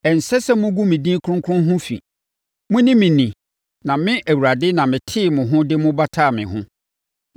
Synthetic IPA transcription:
ɛ˨n̩˨sɛ˦sɛ˦mʊ̃˦ɡu˦mĩ˨dĩ˦kʰʊ̃˦ŋ˦kʰʊ̃˦nɦʊ̃˦fḭ˨ | mʊ̃˦nɪ̃˦mĩ˨nĩ˨ | nã˨mɪ̃˦ʔæ˨wu˨ɾa˨dɪ˦nã˨mɪ̃˨tʰɪ˦˨mʊ̃˨ɦʊ̃˦dɪ˦mʊ̃˦ba˦tʰaː˦˨mɪ̃˨ɦʊ̃˦

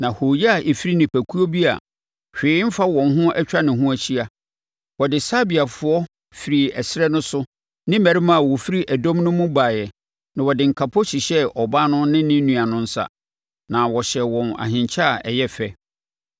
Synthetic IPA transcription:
nã˨ho˨jɛ˦a˨ʔe˨fi˦ɾi˦nɪ̃˨pʰæ˨kʰu˦o˦bi˦a̰˨ | ɕᶣɪː˨˦ɪ˦m̩˦fa˦wɔ̃˨nɦʊ̃˦ʔɛ˦t͡ɕᶣɾa˦nɪ̃˨ɦʊ̃˦æ˨ɕi˦a˨ | wɔ˨dɪ˨sa˦bi˨a˨fʊ˦ɔ˦ | fi˨ɾi˨ɛ˨sɪ˦ɾɛ˦nʊ̃˦sʊ˦ | nɪ̃˦mæ˨ɾi˦mã˦˨wɔ˨fi˦ɾi˦ʔæ˨dɔ̃˦mnʊ̃˦mʊ̃˦baː˨jɛ˨ | nã˨wɔ˨dɪ˨ŋ̩˨kʰa˨pʰɔ˦ɕi˨ɕɛ˦ʔɔ˨ba˦nʊ̃˦nɪ̃˦nɪ̃˦nũ˨a˨nʊ̃˦n̩˦sa̰˨ | nã˨wɔ˨ɕɛ˨wɔ̃˨na̰˨ɦɪ̃˨ɲt͡ɕʰa˦˨ɛ˨jɛ˦fɛ˦

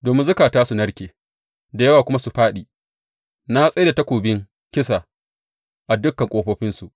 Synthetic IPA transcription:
doː˨mɪ˦nzʊ˦kaː˨taː˦su˨nɐ˦ɽkʲeː˨ | da˨jɐ˦waː˨kʷʊ˦ma˦su˨ɸaː˦ɗiː˨ | na˦sʼɐ˦da˨tɐ˦kʷoː˨bɪ˦ŋ | kʲɪ˦sa˨ | ʔa˨dʊ˦kːɐ˨ŋkʷʼoː˦ɸɐː˦ɸɪ˦nsu˨ʔ

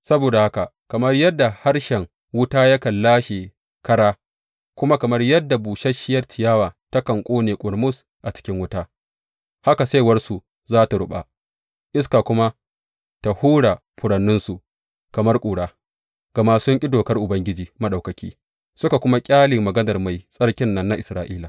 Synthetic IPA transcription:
sɐ˦boː˨da˨ha˦ka˨kɐ˨mɐ˦rjɐ˦dːa˨ha˦rʃɛ˨ŋ | wʊ˦taː˦jɐ˦kɐ˨lːaː˦ʃeː˨ | kɐ˦ɾaː˦ | kʷʊ˦ma˦kɐ˨mɐ˦rjɐ˦dːa˨buː˨ʃɐ˦ʃɪ˦jɐ˦rt͡ʃɪ˨jaː˦waː˨ta˦kɐ˨ŋkʷʼoː˦neː˨kʷʼʊ˨ɾmʊ˦s | ʔa˨t͡ʃɪ̥˦kʲɪ˦ŋwʊ˦taː˦ | ha˦ka˨sa˦jwɐ˦rsu˨ | zaː˦ta˨ɽʊ˦ɓa̰˨ | ʔɪ˦s̬ka˨kʷʊ˦ma˦ | ta˨huː˦ɽa˨ | ɸʊ˨ɽɐ˨nːʊ˦nsu˨ | kɐ˨mɐ˦rkʷʼuː˨ɽaː˦ | ɡ̥ɐ˨maː˦sʊ˦ŋʔʲʼɪ˦doː˨kɐ˦rʔʊ˨bɐ˦ŋɡʲɪ˦d͡ʒiː˨mɐ˦ɗa˨wkɐ˨kʲiː˦ | sʊ˦ka˨kʷʊ˦ma˦kʲʼaː˦lɪ˨ŋmɐ˨ɡɐ˦nɐ˨rma˨jsʼɐ˦ɽkʲɪ˦nːɐ˦nːa˦ʔɪ˨sɾaː˦ʔiː˦la˨

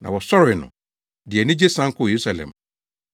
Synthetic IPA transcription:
nã̰˨wɔ˨sɔ˦ɾɪ˨nʊ̰̃˨ | dɪ˨ɛ˨nɪ̃˦d͡ʑe˦sã˦ŋ˦kʰʊ˦˨je˨ɾu˦sa˨lɛ̰̃˨m

